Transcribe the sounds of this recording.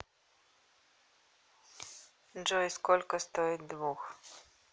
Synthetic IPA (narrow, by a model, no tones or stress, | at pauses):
d͡ʒɔjskolʲkɔst̪oid̪ʋux